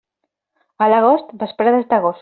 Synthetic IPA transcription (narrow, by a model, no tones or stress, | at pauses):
alaɣost̪bəspɾaðezd̪aɣos